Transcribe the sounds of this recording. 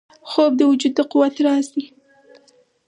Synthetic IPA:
xob̚d̪əwʊd͡ʒud̪ːəquwat̪ɾɑsi

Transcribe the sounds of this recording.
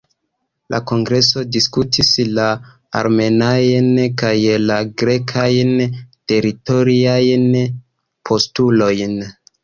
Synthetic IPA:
lʔa̰ko̞ŋɡɾe̞so̞diskutʰisla̰ː | ɾme̞najnkajlaɡɾe̞kʰajnte̞ɾito̞ɾiajn | pʰo̞stulo̞jn

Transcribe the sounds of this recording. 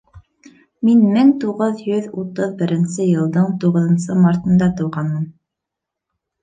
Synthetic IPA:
minmɘŋt̪uʁɤðjɵðut̪ɤðbɘ̆ɾɘ̆nsɘjɤ̆lˠd̪ɤɴt̪uʁɤ̆ðɤ̆nsɤmɑɾt̪ɤ̆nd̪ɑt̪ɤ̆wʁɑnmɤn

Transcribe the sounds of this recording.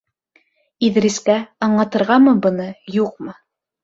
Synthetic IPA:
iðɾiskæɑɴlˠɑt̪ɤ̆ɾʁɑmɤbɤ̆nɤjuq̚mɤ

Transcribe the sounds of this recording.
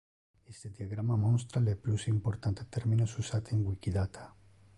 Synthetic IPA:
est̪ed̪jaɣɾamamõns̬t̪ɾaleplusimpoɾt̪ant̪et̪eɾmĩnosusat̪eŋɡwikiðat̪ʰḁ

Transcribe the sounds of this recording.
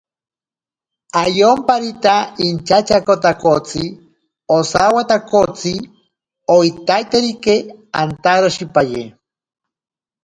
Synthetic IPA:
ajompaɾit̪aint͡ʃat͡ʃakot̪akot͡si | osawat̪akot͡si | oit̪ajt̪eɾikea̰nt̪aɾoʃipaje

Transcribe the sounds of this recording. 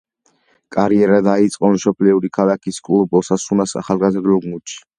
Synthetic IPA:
kʼaɾiɛɾad̪ait̪sʼqʼɔnʃɔpʰliuɾikʰalakʰiskʼulˠɔbɔsasunasa̰χalˠɡazɾd̪lɔɡmut͡ʃʰi̥

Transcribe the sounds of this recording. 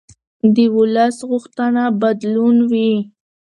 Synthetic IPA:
d̪əwʊləsɣʊxt̪anabad̪lunwi

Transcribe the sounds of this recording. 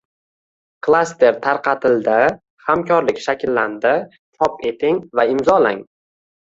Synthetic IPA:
kʰlˠast̪e̞ɾt̪ʰaɾqʰɑt̪ʰɪld̪a | hamkʲʰɒɾlɪkʲʃakʲʰlːand̪ɪ | t͡ʃʰɒpe̞t̪ʰɪŋvaɪmzɒlaŋ

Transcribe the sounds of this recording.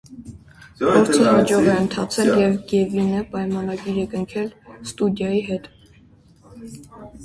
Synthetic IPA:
pʰɔɾt͡sʰəɦɑd͡ʒɔʁɛənt̪ʰɑt͡sʰɛljɛvɡɛvinəpɑjmɑnɑɡiɾɛkəŋkʰɛlst̪ud̪jɑjiɦɛt̪

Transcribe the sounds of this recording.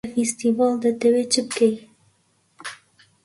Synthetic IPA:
fest̪ivɑld̪ət̪ɛwet͡ʃʰɨb̚kej

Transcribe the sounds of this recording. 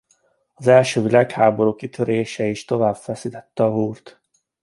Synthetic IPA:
ɒzɛlʃøːvilaːkhaːbo̞ɾuːkit̪ʰøɾeːʃɛiʃt̪o̞vaːb̥fɛsit̪ɛt̪ːɛɒɦuːrt̪

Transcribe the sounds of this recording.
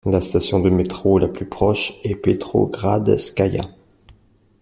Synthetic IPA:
last̪asjɔ̃d̪əmet̪χolaplypχɔʃɛpet̪χo̰ɡʁad̪skʲaja̰

